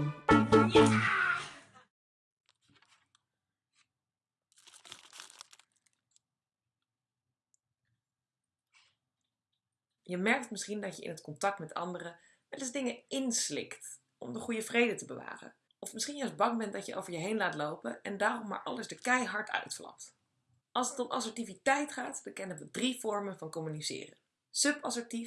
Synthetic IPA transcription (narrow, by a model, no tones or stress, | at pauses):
jəmɛɹk̚tmɪsχindɑcjəʔɪ̰nɦətkɔntɑk̚tmɛtʰɑ̰ndərə | ʋɛtɪzdɪŋəɪnslɪ̰kt | ɔ̰mdəχujəvrejdətəbəʋa̰ːχə̰n | ɔfmɪsχinjœs̚bɑŋbɛntdɑtjəʔo̰wvəɹjəɦejnlaːtlowpənɛ̰ndaːrɔmːa̰ːɹʔɑ̰ləzdəkɛjɦɑɹtʰœ̰ɥtflɑ̰p̚t | ɑlˠsətɔmʔɑ̰səɹtivitɛjtχaːtbəkɛnənʋədriv̥ɔɹmənvɑnkɔmynisɪ̰ːrə̰ | sɵpɑsəɹti